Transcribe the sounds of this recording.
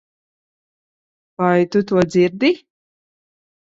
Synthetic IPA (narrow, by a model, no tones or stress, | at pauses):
vajt̪ut̪uɔd̪ziɾd̪i